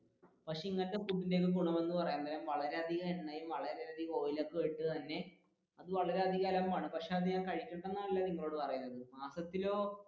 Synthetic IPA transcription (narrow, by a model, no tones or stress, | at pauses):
pɐkʂe̞iŋːɐnɨt̪ːepuːʈ̬ːinde̞ːk̬ːɨk̬uɳːɐmʋenːɨpɐrɐjaːnt̪ːɐlɐmʋɐɭɐɾe̞ɐd̪ʱiɣaːluɳːɐjumʋɐɭɐɾed̪iɣo̞ːjilokːeʋeɻʈːɨt̪ɐnːe̞ | ɐðɨʋɐɭɐɾeɐd̪ʱiɣaːlɐmːaːɳɨpɐkʂeɐðɨɲaːŋkɐɻikʲːuɳɖenːaːɭɐlːaːniŋːɐɭoːɽɨpɐrɐjunːɐðɨmaːsɐt̪ːilo̞ː